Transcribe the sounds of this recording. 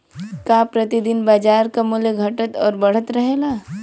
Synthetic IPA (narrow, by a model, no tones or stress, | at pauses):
kaːpɾɐt̪id̪ɪnbaːd͡ʒaːɾkamuljeɡʱɐʈət̪ɔ̰ːɾbɐɽ̤ət̪ɾɐɦeːlaː